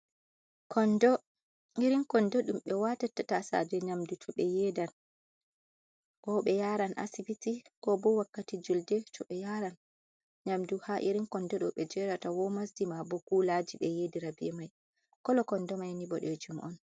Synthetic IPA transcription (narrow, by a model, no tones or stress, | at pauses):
kʰɔndɔ | iɾiŋkɔndɔɗumɓɛwatatatasa̰d͡ʒɛɲamdutʰɔɓɛjɛdan | kɔɓɛjaɾanʔa̰sibitikɔbɔwakːatid͡ʒuldɛtɔɓɛjaɾan | ɲamduhaʔiɾiŋkɔndɔɗɔɓɛd͡ʒɛɾatawɔmasdimabɔkulad͡ʒiɓɛjediɾabiɛmaj | kɔlɔkɔndɔmajniɓɔɗɛd͡ʒumʔɔn